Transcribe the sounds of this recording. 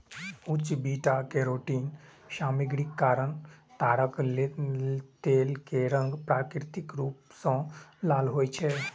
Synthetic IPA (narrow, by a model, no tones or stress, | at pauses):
ut͡ʃbiʈakeɾoːʈiːnʃaːmiɡɽikːaːɾəɳt̪aːɾəklet̪elkeɾə̃ŋɡpɾaːkɾit̪ikɾuːpsɔ̃laːlɦoːjt͡ʃʰe